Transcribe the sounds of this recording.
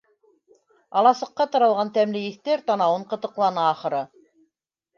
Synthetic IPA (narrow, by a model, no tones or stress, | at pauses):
ɑlˠɑsɤ̆qːɑt̪ɤ̆ɾɑ̆lˠʁɑnt̪æmlɘiθt̪æɾt̪ɑnɑwɤɴqɤ̆t̪ɤ̆qlˠɑnɑːχɤ̆ɾɤ